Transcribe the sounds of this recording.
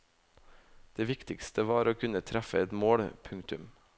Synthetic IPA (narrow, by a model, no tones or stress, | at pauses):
d̪̥eːʋɪkt̪ɪkst̪əʋɑːɾoːkʰʉnət̪ʰɾæfəɛt̪moːɽpʰʉŋkt̪ʉm